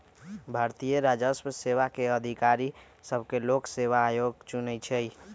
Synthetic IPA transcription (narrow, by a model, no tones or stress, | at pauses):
bʱaɾt̪ijəɾad͡ʒəspseβakeəd̪ʱikaɾi | səbʱkelokseʋaːjoɡt͡ʃunɛt͡ʃʰəj